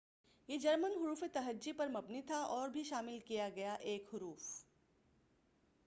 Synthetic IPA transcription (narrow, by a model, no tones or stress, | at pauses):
jed͡ʒɐɾmənɦʊɾuːfet̪ɐɦəd͡ʒːipɐɾmɐbnit̪ʰaʔɔːɾbʱiʃaːmɪlkijaɡɐjaʔeːkɦʊɾuːf